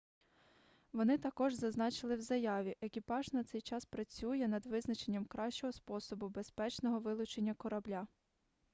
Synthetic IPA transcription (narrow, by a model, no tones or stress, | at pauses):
ʋɔnɪt̪ɐkɔʒzɐznɑt͡ʃɪlˠɪwzɐjɑʋʲiʔekʲipɑʒnɐt̪sɛjt͡ʃɑspɾɐt͡sʲujɛnɐd̪ʋɪznɐt͡ʃe̞nʲːɐmkɾɑʃt͡ʃɔɦɔspɔsɔbʊbe̞spɛt͡ʃnɔɦɔʋɪlˠʊt͡ʃenʲːɐkɔɾɐblʲa